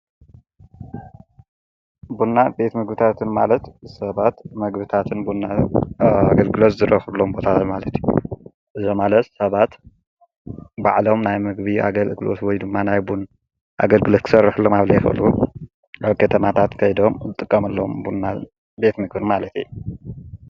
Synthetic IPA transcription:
bunːabe̞t̪mɨɡbɨt̪ʰat̪ʰɨnmalɐt̪sɐβat̪mɐɡbɨt̪ʰat̪ʰɨnbuna | aɡɐlɡɨlot̪zɨɾʔɐxɨlːombo̞t̪ʰat̪ʰat̪malɐt̪ju | ʔɨzomalɐt̪sɐβat̪ | ba̰ʕlo̞mnajmɨɡbia̰ɡɐlɨɡɨlo̰t̪wɔjd̪ɨmːanajbun | ʔa̰ɡɐlɡɨlot̪kʰɨ̥sɐrɨħɨlːomaβlɐjɛxɐ̰lu | ʔaβkʰɐt̪ʰɐmat̪ʰat̪kʰɐjd̪o̞mzɨt̪ʼːɨkʼːɐmɐlːɐmbunːa | be̞t̪mɨɡbɨnmalɐt̪ḭjːu

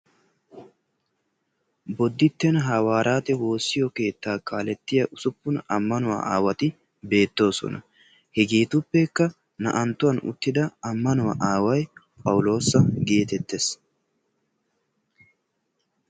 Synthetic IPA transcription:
bɔd̪ːɪt̪ːɛnɦɐwaːɾaːt̪ɛwo̞ːsːɪjɔke̞ːt̪ːaːkaːlɛt̪ːɪjɐʔʊsʊpːʊnɐmːɐnʊwa̰ʔaːwɐt̪ɪ | be̞ːt̪ːo̞ːsɔ̰nɐ̰ | hɛɡeːt̪ʊpːɛkːɐ | nɐ̰ʔɐnt̪ːʊwɐnʊ̰t̪ːɪd̪ɐɐmːɐnʊwɐʔaːwɐj | pʼɐwʊlo̞ːsːɐɡe̞ːt̪ɛt̪ːes

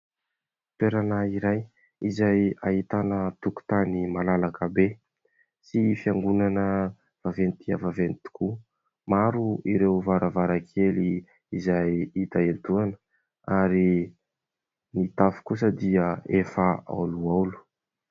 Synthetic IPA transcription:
t̪eɾanaiɾaj | izajaɦit̪anət̪uku̥t̪animalalakəbe | sifiaŋɡunanə | v̥avent̪ia̰vavenit̪i̥ku | maɾuiɾewvaɾavaɾakʰeli | izajit̪aent̪uanə̥ | aɾi | nit̪afu̥kus̬əd̪iəefaa̰luawlu̥

